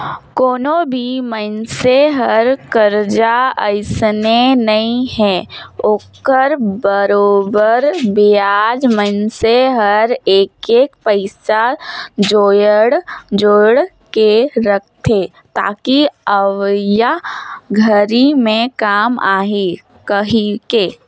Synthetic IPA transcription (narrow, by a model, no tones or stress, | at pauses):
koːnõbʱimənseɦɐɾkəɾd͡ʒaəɪsnenɐɦĩhɛ̃ːoːkəɾbəɾoːbəɾbijaːd͡ʒmənseɦɐɾeːkeːkpəɪsad͡ʒoːjəɽd͡ʒoːɽ | keɾək̚ʰt̪ʰeː | t̪a̰ːkiəʋjaɡʱəɾimẽkaːmaːɦi | kəɦĩke